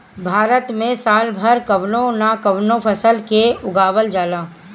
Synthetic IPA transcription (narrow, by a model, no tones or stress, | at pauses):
bʱaːɾət̪mẽsaːlbʱəɾkɐʋnõnakɐʋnõpʰəsəlkeʊɡaːʋəld͡ʒaːlãː